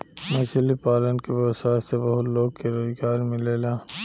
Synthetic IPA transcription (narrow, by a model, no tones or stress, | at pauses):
mɐsəlipaːlənkeboːsaːssebɐɦʊt̪loːɡ̚keɾoːzɡaːɾmɪleːlaː